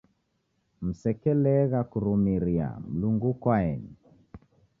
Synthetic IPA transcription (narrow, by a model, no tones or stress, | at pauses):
m̩sɛkɛlɛɣakuɾumiɾia̰m̩luŋɡukwaɛni